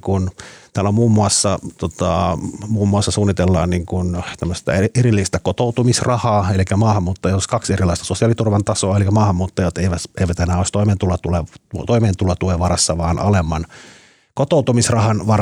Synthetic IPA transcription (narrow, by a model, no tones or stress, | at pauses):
kunt̪æːlːæmuːmːuɑsːɑt̪ot̪ɑmuːmːuɑsːɑsuːnːit̪elːɑ̰ːnniŋkunt̪æmːøst̪ɑ̰eerilːiːst̪ækot̪out̪umisrɑhɑːelikæmɑːhɑmːuːt̪ːɑjooskɑkserilˑɑˑist̪ɑsosiɑlit̪urʋɑnt̪ɑsoːelikæmɑːhɑmːuːt̪ːɑjot̪eiʋæt̪eiʋæt̪enæːoˑist̪oiment̪ulɑt̪ulet̪oimeːnt̪ulɑt̪uleʋɑrɑsːɑʋɑːnʔɑ̰lemːɑn | kot̪oˑut̪umisrɑhɑnʋɑr